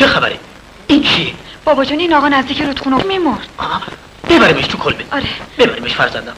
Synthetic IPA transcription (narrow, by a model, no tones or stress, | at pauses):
t͡ʃʰexæbæ̰ɾe | int͡ʃʰieb̥ɒːbɒd͡ʒɒːniːnɒɣɒːnæzd̪iːcʰʲiɾut̪xunomimoɾd̪̥ɒ | b̥ebæɾimeʃt̪ʰukʰolbeɒɾebebæɾimeʃfæɾzænd̪æm